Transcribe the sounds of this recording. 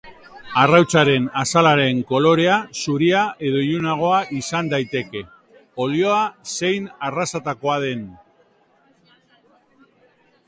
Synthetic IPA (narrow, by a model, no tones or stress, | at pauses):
arawt͡saɾe̞nasalaɾe̞ŋko̞lo̞ɾe̞asuɾiae̞ðo̞iunaɣ̞o̞aʔisand̪ajt̪e̞ke̞ | o̞lio̞ase̞jnarasat̪ako̞aðe̞n